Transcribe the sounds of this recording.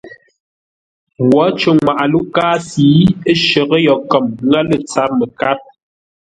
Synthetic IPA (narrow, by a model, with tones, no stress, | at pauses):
wwɔ˨˦t͡ʃə˨ŋwa˨ʔa˨lu˦kaː˦siː˨˦ə˦ʃə˨ɣə˦jɔ˨kə˨mŋɡa˦lə˨t͡sa˦p̚mə˨ka˦p̚